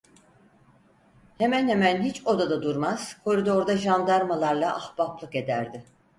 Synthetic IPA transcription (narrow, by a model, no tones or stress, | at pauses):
he̞mænhemænɦit͡ʃo̞d̪ad̪ad̪uɾmaz̥kʰo̞ɾid̪o̞ɾd̪aʒand̪aɾmalˠaɾlˠaʔahb̥aplˠɯke̞d̪æɾd̪ɪ